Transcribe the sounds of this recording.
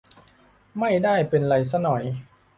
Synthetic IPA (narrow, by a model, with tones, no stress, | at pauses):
ma˥˩jdaː˥˩jpe˧nɾa˧js̬a˦˥nɔ˨˩j